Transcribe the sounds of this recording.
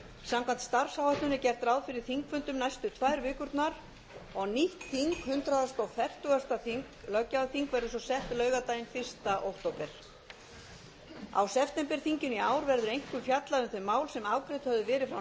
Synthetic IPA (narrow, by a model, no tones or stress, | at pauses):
samkʰan̥t̪st̪aɾ̥sawhajht̪ʏnɪcɛr̥t̪ɾaːwðfɪɾɪɾ̥θiŋkfʏnt̪ʏmnajst̪ʏt̪ʰvajɾvɪːkʏɾt̪naɾ | ɔɣniht̪θiŋkhʏnt̪ɾaðast̪ɔwfɛr̥t̪ʏɣast̪aθiŋklœcːaθiŋkvɛɾðʏsɔsɛht̪lœːɥɣat̪aːjɪnfɪr̥st̪aʔowht̪owpɛɾ̥ | a̰wsɛft̪ɛmpɛɾ̥θiɲcɪniaːwɾvɛɾðʏɾejŋ̥kʏmfjat̪laʏmθœjmːaːwlsɛmaːwkɾɪt̪hœvðʏvɛːɾɪfɾaw